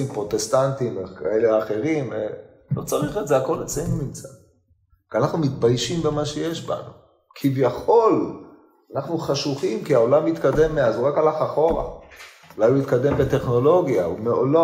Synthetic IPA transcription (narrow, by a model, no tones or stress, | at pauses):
impʁo̞t̪est̪ant̪imekʰaeleaχe̞ʁime | lo̞̰t͡saʁiχetze̞ako̞let͡senumimt͡sa | kianaχnumit̪bajʃimbemaʃejeʃba̰nu | kʰivjaχo̞l | anaχnuχaʃuχimkiao̞lamit̪kad̪emːeazuʁakalaχaχo̞ʁa̰ | ulajumit̪kad̪e̞mbe̞t̪e̞χno̞lo̞ɡjaumeolo